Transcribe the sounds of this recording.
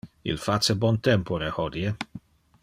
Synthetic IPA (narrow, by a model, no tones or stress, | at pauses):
ḭlfat͡sebɔnt̪ɛmpoɾehɔd̪je